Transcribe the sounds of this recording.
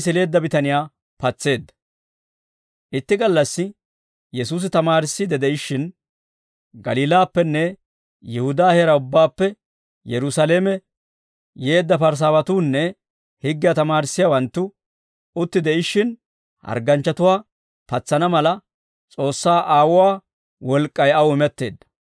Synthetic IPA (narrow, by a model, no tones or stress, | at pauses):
s̬ɪle̞ːd̪ːɐbɪt̪ɐnɪjaː | pɐt͡sːe̞ːd̪ːɐ̥ | ʔɪt̪ːɪɡɐlːɐsːɪ | jɛsuːs̬ɪt̪ɐmaːɾɪsːid̪ɛd̪ɛʔɪʃːɪn | ɡɐliːlaːpːɛnːɛ | jɛhʊd̪aːhɛɾɐʊbːaːpːɛ | jɛɾʊsaleːmɛ | je̞ːd̪ːɐpɐɾs̬aːwɐt̪uːnːɛ | hɪɡːɪjat̪ɐmaːɾɪsːɪjawɐnt̪ːʊ | ʊt̪ːɪd̪ɛɪʃːɪn | hɐ̰ɾɡɐnt͡ʃːɐt̪ʊwaː | pɐt͡sːɐnɐmɐlɐ | t͡sʼo̞ːsːaːʔaːwʊwaː | wɔlkʼːɐjɐwɪmɛt̪ːe̞ːd̪ːɐ̥